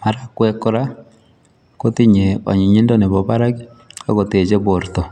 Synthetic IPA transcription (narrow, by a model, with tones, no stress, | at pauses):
ma˨ɾa˦kwɛ˦ko˦ɾa˦ | ko˦ti˦ɲe˨ɔ̰˨ɲi˨ɲi˦ndo˦ne˨βɔ˨βa˦ɾa˦ɡi˦ | a˦ɣo˨te˨d͡ʒe˦βo˨ɾtɔ˨